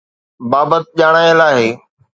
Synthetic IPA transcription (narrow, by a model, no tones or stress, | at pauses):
baːbət̪̚ʄaːɽ̃aːjəlaːɦeː